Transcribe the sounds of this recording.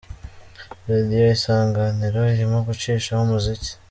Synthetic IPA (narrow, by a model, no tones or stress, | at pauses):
ɾadijo̞isaːŋɡaniɾoiɾimoɡut͡ʃiːʃahumuzici̥